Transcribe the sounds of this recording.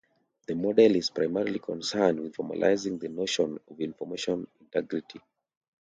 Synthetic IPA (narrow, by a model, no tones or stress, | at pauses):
ðəmɔdɛliz̥pɹaɪmɛɹilikʰɔ̃nsɜndwið̥fɔma̰lʔa̰ɪzĩŋðənoʃɔ̃nɔvĩnfɔmeʃɔ̃nĩntɛɡɹitʰi